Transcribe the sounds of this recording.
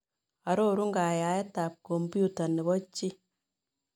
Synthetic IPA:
a˨ɾo˦ɾu˦ŋɡa˨ja˨ɛ˦ta˨p̚ko˨mbju˦ta˨nɛ˨βɔ˦t͡ʃi˦

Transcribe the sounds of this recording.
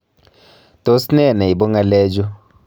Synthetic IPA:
to˦snɛ˦˨nɛ˨i˨bo˦ŋa˦lɛ˦d͡ʒo˦

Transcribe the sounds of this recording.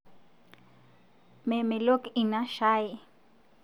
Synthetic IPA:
mɛ˨mɛ˨lo˦ki˨na˦ʃa˦ji˨

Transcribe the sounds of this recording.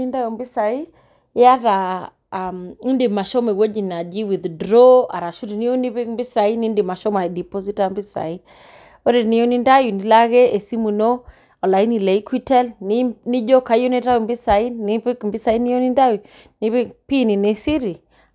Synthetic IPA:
i˦nda˦ju˨mbi˦sa˨i˦ | ja˦ɾa˨ | a˨mi˦ndi˨ma˨ʃɔ˦me˨wo˦d͡ʒi˨na˨d͡ʒi˦wi˨ðdɾɔ˦a̰˨ɾa˨ʃu˦ɾi˨ni˦o˦ni˦βi˦mbi˦sa˨i˦ni˦ndi˨ma˨ʃɔ˦ma˨di˨po˦s̬i˦ta˦mbi˦sa̰˨i˦ | o˦ɾe˨ni˦o˦ni˦nda˦ju˨ni˨la˦ɣe˦ʔe˨si˦mu˨no˦ | ɔ˨la˨i˦ni˨le˨i˦kʰwi˦tɛ˦lni˦ni˦d͡ʒɔ˦ka˨i˦jo˦ni˦ɾa˦ju˨mbi˦sa˨i˦ni˦pi˦kmbi˦sa˨i˦ni˦jo˦ni˦nda˦ju˨ | ni˦βpi˦ni˨ne˨si˦ɾi˨

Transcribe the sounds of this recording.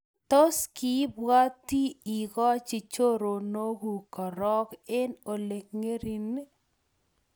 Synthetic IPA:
to˦ski˦bwa˦ti˦i˨ɣɔ˦t͡ʃi˨t͡ʃo˦ɾo˨no˦ɡu˨kɔ˨ɾɔ˦ke˦no˨le˨kŋe˦ɾi˨n˦

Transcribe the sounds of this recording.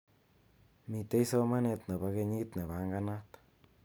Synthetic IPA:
mi˨t̪e˦jso˦ma˦net̪ne˨βa˦ke˧ɲi˦t̪ne˨βa˨˦ŋɡa˦na˦t̪

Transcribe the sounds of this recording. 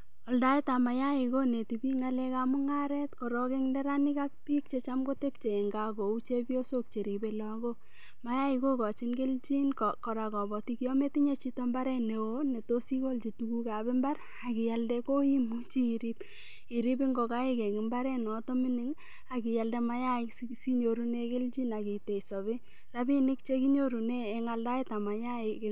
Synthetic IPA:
ɔ˨lda˦i˦ta˨ma˨ja˦i˨ko˦ne˨ti˨bi˦ŋa˦lɛ˦ka˨mu˦ŋa˦ɾɛ˦tkɔ˨ɾɔke˦ŋndɛ˦ɾa˦ni˦ka˦k̚pi˦k̚t͡ʃe˦t͡ʃamɡo˦te˦p̚t͡ʃe˨e˨ŋɡa˦ko˨u˦t͡ʃe˦pjo˦so˦k̚t͡ʃe˨ɾi˨be˦lɔ˨ɡo˦ | ma˨˦ja˦iko˦kɔ˨t͡ʃi˦nɡe˦lt͡ʃi˦nkkɔ˨ɾa˨kɔ˨bɔ˨ti˦kɔ˦me˦ti˦ɲe˦t͡ʃi˦tɔ˦mba˦ɾɛ˦ne˨wone˨to˦si˦ko˦lt͡ʃi˨tu˨ku˦ka˨be˦mba˦r | a˨ki˨ja˨ldɛko˦i˦mu˦t͡ʃiː˦˨ɾi˦b | i˨ɾi˦bi˦ŋɡo˨ka˦e˦kɛ˨kɪ˨˦mba˦ɾɛ˦nɔ˨tɔ˦mɪ˦nɪ˦ŋ | a˨ki˨ja˨ldɛ˨ma˦ja˦ɪkssi˦ɲo˨ɾu˦ne˦ke˦ld͡ʒi˦na˨ki˨te˨sɔ˨βɪ˦ | ra˦bi˦nɪ˦k̚t͡ʃe˦ki˦ɲo˦ɾu˨neː˦˨ŋa˦lda˦i˦ta˨ma˨ja˦ɪ˨k

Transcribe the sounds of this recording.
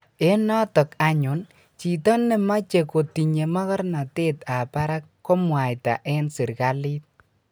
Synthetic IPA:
e˦nɔ˦tɔ˨ka˨ɲʊ˨n | t͡ʃi˨tɔ˦nːe˨ma˦t͡ʃe˨ko˨ti˨ɲe˨ma˦kɔ˦ɾna˨te˦ta˨pa˦ɾa˦kːo˦mwa˨jta̰˨ʔɛ˦nsɪ˨ɾka˦li˦t̚

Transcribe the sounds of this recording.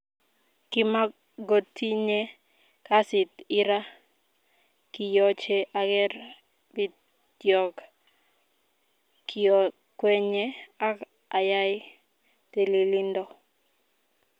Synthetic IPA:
kɪ˦ma˦ | ɡo˨tʰi˦ɲe˦ | ka˦sɪ˨t̪ɪ˦ɾa˦ | ki˨jɔ˦t͡ʃe˦ʔa˦ɡɛ˦ɾ | bɪ˦ | d̥jɔ˨k | kiɔ˨ | kwɛ˦ɲe˦a˦k | a˨ja˦jɪ˦ | te˨li˨li˦ndɔ˦

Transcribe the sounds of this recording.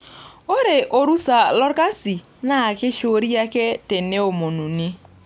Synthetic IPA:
o˦ɾe˨ʔo˨ɾu˦sa˨lɔ˦ɾka˦si˨ | na˦˨ke˦ʃo˦ɾi˦a˦kɛ˦te˨ne˦o˨mo˨nu˨ni˦

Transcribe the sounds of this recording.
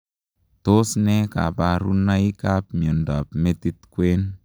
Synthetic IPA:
to˦snɛ˦ka̰˨pa˨ɾu˦na˦i˦ka˦pmjo˨nda˨pme˦ti˦tkwe˦n

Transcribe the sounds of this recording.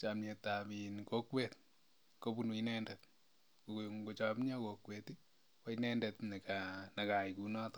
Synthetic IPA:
t͡ʃamɲe˨ta˨mi˨nko˦kwe˨t̚ | ko˦pu˦nu˨inɛ˦ndɛt | ko˨ŋɡo˨t͡ʃa˨m˦ɲɔ˦ko˨kweti˦ | wo˦inɛndɛ˨tne˨ka˨na˨ka˨ikunɔ˦t

